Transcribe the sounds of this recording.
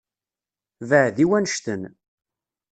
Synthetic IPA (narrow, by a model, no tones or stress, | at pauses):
vəʕðiwænʃt̪ən